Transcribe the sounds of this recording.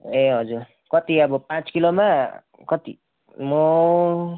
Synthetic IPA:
eɦʌd͡zuɾ | kʌt̪iʌbʌpãt͡skiloma | kʌt̪ḭ | mo

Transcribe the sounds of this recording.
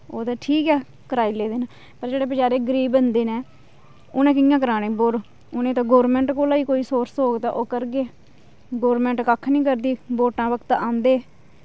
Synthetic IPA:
oːd̪aːʈʰiːkɛː | kəɾaːiːleːd̪eːnaː | pəɾd͡ʒeːɽeːbəd͡ʒaːɾeːɡəɾiːbənd̪eːnẽː | oːnẽːk̬ɪjãːkəɾaːneːboːɾ | ʊnẽːt̪ãːɡoːɾmɛ̃ːɳʈkoːlaːiːkoːiːsoːɾsoːɡt̪aːʔoːkəɾɡeː | ɡoːɾmɛ̃ːɳʈkakʰːnĩːk̬əɾd̪iːboːʈãːʋəkt̪ãːnd̪eː

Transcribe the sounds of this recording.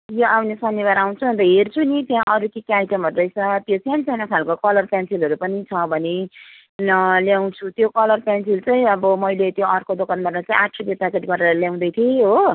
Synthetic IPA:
joʔawnesʌnːibaɾaw̃t͡sʰuʌnt̪ʌɦert͡sʰunit̪jãʔʌɾukikajʈʌmɦʌɾuɾʌjt͡sʰʌt̪jot͡sʰansajnʌkʰalkokʌlʌrpjansilɦʌɾupʌnit͡sʰʌbʱʌne | nʌljaw̃t͡sʰut̪jokʌlʌrpjansilt͡sʌĩʌbʌmʌjlet̪joʌrkod̪okanbʌrmat͡saĩaʈʰːob̪jet̪akeʈɡʌɾeɾʌljaw̃d̪ʌjt̪ʰieɦo

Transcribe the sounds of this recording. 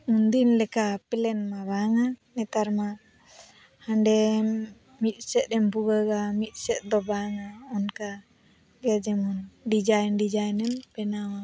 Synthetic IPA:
und̪inlɛkapɛlɛnmaβaŋanɛt̪aɾma | haɳɖɛ | mit̪̚ˀsɛt̪̚ˀɛmbuɡaɡamit̪̚ˀsɛt̪̚ˀd̪ɔbaŋaɔnka | ɡɛd͡ʒɛmɔnɖid͡ʒajnɖid͡ʒajnɛnpɛnawa

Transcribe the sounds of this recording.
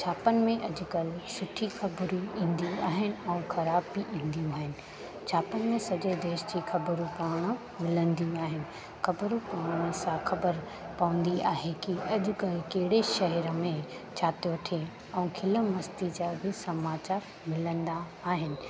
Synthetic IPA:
t͡ɕʰaːpənɪ̆mẽʔɐd͡ʑʊkɐlsʊʈʰixɐbɾuĩːnd̪ijũaːɦɪnɪ̆ɛ̃ũxɐɾaːbiʔĩːn̆d̪ijũaːɦɪnɪ̆ | t͡ɕʰaːpənɪ̆mẽsɐʄod̪eːʃd͡ʑixɐbəɾũpaːɽ̃̆ | mɪlə̃nd̪ijũaːɦɪnɪ̆ | xɐbəɾũpaːʋɽ̃ə̆sãxɐbəɾ | pɐʋə̃n̆d̪iaːɦekiɐʄʊ̆kɐlkɐɦɪɽeʃɐɦɛɾəmẽ | t͡ɕʰaːt̪iʋɐʈʰe | ɛ̃ũkʰɪlə̆mɐst̪id͡ʑabʱɪsɐmaːt͡ɕaːɾ | mɪlə̃nd̪aː | ɦɪnɪ̆

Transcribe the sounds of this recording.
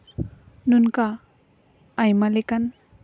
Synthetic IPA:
nunkaː | jmalekan

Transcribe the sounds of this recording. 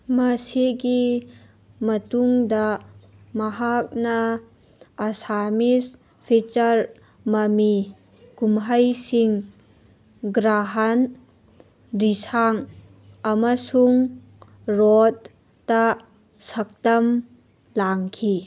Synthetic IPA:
mɐsiɡi | mɐtuŋdɐ | mɐɦak̚nɐː | samis | pʰit͡ʃɐɾ | mɐmi | kumɦɐjsiŋ | ɡɾaɦan | ɾisaŋ | ɐmɐsuŋ | ɾod̚ː | ɐ | sɐk̚tɐm | laŋkʰi

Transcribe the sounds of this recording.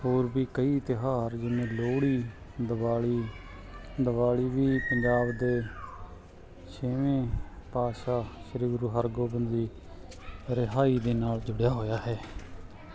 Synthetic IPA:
hoːɾbiːkəiːt̪ɪɦaːɾd͡ʒɪnẽːloːɽiː | d̪əbaːliː | d̪əbaːliːʋiːpəɲd͡ʒaːbd̪eː | ʃeːʋẽːpaːʃaːʃəɾiːɡɾuːɦəɾɡoːbənd̪iː | ɾɪɦaːiːd̪eːnaːld͡ʒʊɽjaːɦoːjaːɦɛː

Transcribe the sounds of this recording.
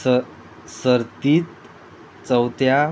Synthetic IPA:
səɾt̪iːt̪ | t͡səwt̪ja

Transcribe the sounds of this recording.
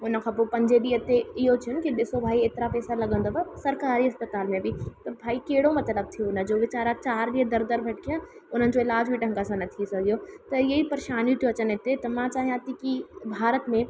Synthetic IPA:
ʊnəkʰãpopɐ̃ɲd͡ʒed̪iɐt̪ːeɪɦot͡ʃʰiənkid̪ɪsobʱaːiet̪ɾapɛːsalɐɡə̃nd̪obɐsɐɾkaːɾiɐspət̪aːlmẽbʱit̪ɐbʱaːikeːɽomɐt̪ləb̚t̪ʰijoʊnəd͡ʒoʋɪt͡ɕaːɾat͡ʃaːɾdiɦəd̪ɐɾd̪əɾbʱɐʈ̚kijaʊn̤ənɪ̆d͡ʒoɪlaːd͡ʒbiʈə̃ŋɡasãnɐt̪ʰisɐɡijot̪ɐjɐɦipɐɾeʃaːnjut̪joɐt͡ʃənet̪et̪ɐmãt͡ʃaːɦijãt̪ikibʱaːɾət̪mẽ

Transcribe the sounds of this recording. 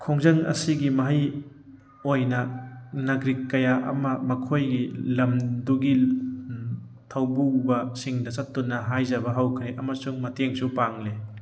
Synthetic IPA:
kʰoŋzɐŋɐ̰siɡimɐɦɐj | ojnɐnɐɡɾikːɐjaʔɐ̰mɐmɐkʰojɡilɐmduɡi | tʰawbubɐsiŋdɐsɐtːunːɐɦajzɐbɐɦawkʰɾeʔɐmɐsuŋmɐteŋsupaŋle

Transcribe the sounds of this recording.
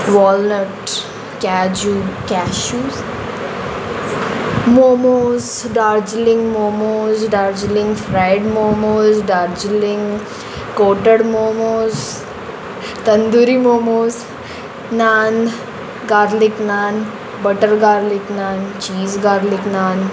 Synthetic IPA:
ʋɔːlnəʈ | kaːd͡ʒukɛːʃuːz | moːmoːz | ɖaːɾd͡ʒlɪŋɡmoːmoːzɖaːɾd͡ʒlɪ̃ŋɡfɾaɪɖmoːmoːzɖaːɾd͡ʒlɪ̃ŋɡ | koːʈəɽmoːmoːz | t̪ɐnd̪uɾimoːmoːz | naːn | ɡaːɾlɪknaːn | bəʈəɾɡaːɾlɪknaːnt͡ʃiːzɡaːɾlɪknaːn

